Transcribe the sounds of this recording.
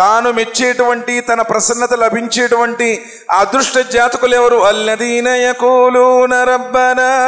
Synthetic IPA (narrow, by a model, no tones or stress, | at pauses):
t̪aːnumet͡ʃːeːʈuʋɐɳʈit̪ɐnɐpɾɐsɐnːɐt̪ɐlɐbʱiɲt͡ʃeːʈuʋɐɳʈi | aːd̪ɾuʂʈɐd͡ʒaːt̪ɐkulɛʋɐɾuɐlːɐd̪iːnɐjɐkuːlunɐɾɐbːɐnaː